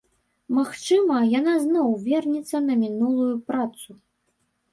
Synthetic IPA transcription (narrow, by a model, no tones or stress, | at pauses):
maxt͡ʂɨmɐjanaznɔwvʲɛrnʲit̪sːɐnɐmʲinulˠujupɾat̪su